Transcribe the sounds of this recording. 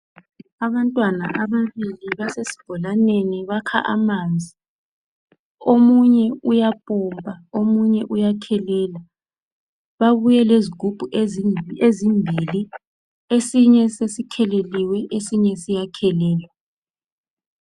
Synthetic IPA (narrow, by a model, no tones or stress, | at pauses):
aβantʼwana̰ʔaβaβiliβasesi̥b̥ʱɔlaneniβakʰa̰ʔa̰mand͡zʱi | omuɲɛujapʼɔmpʼaomuɲɛʔujakʰɛlɛːla | βaβujɛleziɡ̥ʱub̥ʱuʔeezimbʱili | esiɲɛsesikʰɛleliwɛʔesiɲɛsijakʰɛlɛːlwɛ